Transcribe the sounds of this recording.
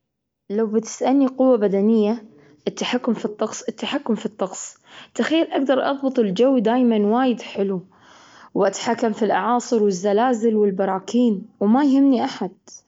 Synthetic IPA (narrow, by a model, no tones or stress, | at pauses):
lawbɪt̪ɪ̥sʔanːiqʊwːabad̪anɪjːa | ʔɪt̪ːaħakːʊmfit̪ˤːɑqsˤɪt̪ːaħakːʊmfit̪ˤːɑqsˤ | t̪axajːalʔaɡd̪ɑɾˤʔɑ̰ðˤbɨt̪ˤɪld͡ʒawːd̪aːjmanwaːjɪd̪ħɪlu | wʔat̪ḁħakːamfilʔɑʕɑːsˤɨɾwɪzːalaːzɪlwɪlbɑɾˤɑːkiːnwmajhɪmniʔaħad̪̥̚